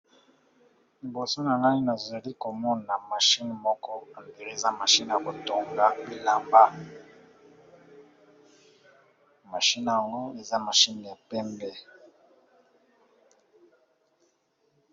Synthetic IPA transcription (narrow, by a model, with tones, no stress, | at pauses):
li˨bo˨so˦na˨na˦ni˦na˨za˨li˦ko˨mɔ˦na˨ma˨ʃi˦n˨mɔ˦kɔ˦a˨mdi˨ʁi˦e˨za˦ma˨ʃi˦n˨ja˨ko˨to˨ŋɡa˦bi˦la˦mba˦ | ma˨ʃi˦na˨a˨ŋɡo˦e˨za˦ma˨ʃi˦n˨ja˨pɛ˦mbɛ˦